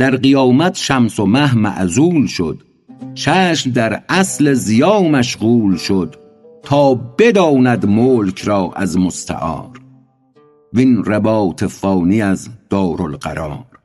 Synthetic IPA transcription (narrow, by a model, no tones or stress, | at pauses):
d̪̥æɾɢijɒːmæt̪ʰʃæmsomæɦmæ̰ʔzuːlʃod̪̥ | t͡ʃʰæːʃmd̪æɾæsle̞zijɒːmæʃɣuːlʃod̪̥ | t̪ʰɒːbed̪ɒːnæd̪moːlkʰɾɒːʔæ̰zmost̪ʰæ̰ʔɒ̰ːɾ | vinɾebɒːt̪ʰefɒːniæzd̪̥ɒːɾolɢæ̰ɾɒːɾ